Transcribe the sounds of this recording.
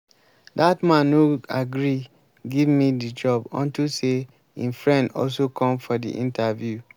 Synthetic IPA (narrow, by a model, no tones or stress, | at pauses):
datmãnuaɡɹi | ɡivmidid͡ʒɔbɔ̰̃ntuse | ĩnfɹɛ̃ndɔlsokʰɔ̃mfɔdḭʔḭ̃ntʰavju